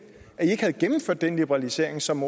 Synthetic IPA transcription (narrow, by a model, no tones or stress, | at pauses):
æie̝ɡ̥hæð̞̩ˠɡ̥emm̩føɐd̥ːenlib̥əʁɑ̈lise̝ɐ̰e̝ŋsɒ̽mo